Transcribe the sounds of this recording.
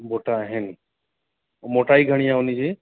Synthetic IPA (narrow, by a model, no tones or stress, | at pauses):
boʈaːɦɛn | mɔʈajɡʱəɽ̃ijaunid͡ʒe